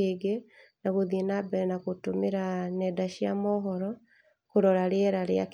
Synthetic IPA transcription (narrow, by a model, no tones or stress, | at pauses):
eɡenaɣoðienabɛɾɛnakotomeɾanɛdaʃiamɔɦɔɾɔ | koɾɔɾaɾeɛɾaɾjak